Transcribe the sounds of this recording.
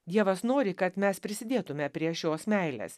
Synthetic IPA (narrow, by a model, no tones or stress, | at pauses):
d̪ʲiɛʋɐsnoːɾʲɪkɐt̪mʲɛspʲɾʲɪsʲɪd̪ʲeːt̪ʊmʲɛpʲɾʲiɛʃʲoːsmʲɛɪlʲḛːs